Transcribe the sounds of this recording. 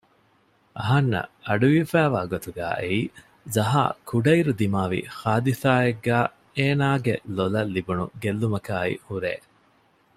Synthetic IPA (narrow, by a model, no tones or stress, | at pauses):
ʔɐɦɐnːɐ̰ɐɖuʋifæːʋaːɡot̪uɡæ̰ːʔeiː | zɐɦa̰ːkʰuɖɐiɾud̪imaːʋḭhaːd̪isaːeɡːæː | eːnaːɡelolɐlːibunṵɡelːumɐkaːḭhuɾḛː